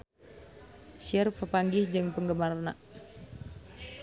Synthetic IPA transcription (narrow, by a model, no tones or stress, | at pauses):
ʃərpəpaŋɡɪhd͡ʒɨŋpəŋɡəmarna̰ʔ